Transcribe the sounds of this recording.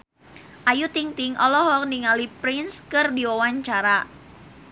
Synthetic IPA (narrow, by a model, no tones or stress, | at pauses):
ʔajut̪iŋt̪ɪŋʔɔlɔhɔk̚niŋalipɾɪnskɨrdiwawaɲt͡ʃaɾa